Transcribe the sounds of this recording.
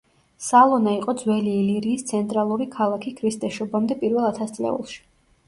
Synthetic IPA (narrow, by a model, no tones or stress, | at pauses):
salˠɔnaiqʼɔd̪zwɛliːliɾiːst̪sʰɛnt̪ʼɾalˠuɾikʰalˠakʰikʰɾist̪ʼɛʃɔbamd̪ɛpʼiɾvɛlˠat̪ʰast̪sʼlɛ̰ṵlˠʃi̥